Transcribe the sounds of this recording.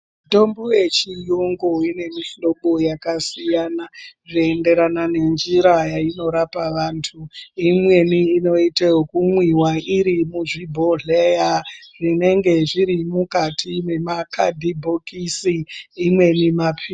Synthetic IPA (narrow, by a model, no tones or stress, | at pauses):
m | to̞mboje̞t͡ʃijoŋɡo̞ine̞miɬo̞ɓojakasijaːnaʐiende̞ɾanane̞nd͡ʒiɾajaino̞ɾapaʋaːntʰuimwe̞niːno̞iteokumwiwaiɾimuʐibʱoɮejaʐ̥ine̞ŋɡe̞ʐiɾimukatʰine̞makʰa̰dʱibʱo̞kisiːmwe̞nimapʰi